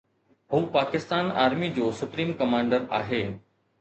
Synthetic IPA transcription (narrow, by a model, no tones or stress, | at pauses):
ɦuːpaːkɪst̪aːna̰ːɾmid͡ʑoːsʊpɾiːmkɐmãːɳɖəɾaːɦeː